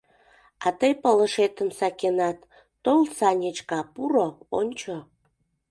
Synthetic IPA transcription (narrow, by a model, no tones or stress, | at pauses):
ɑt̪əjpələʃet̪əmsɑkʲenɑt̪ː | olsɑnʲət͡ɕkɑpuɾoonʲt͡ɕo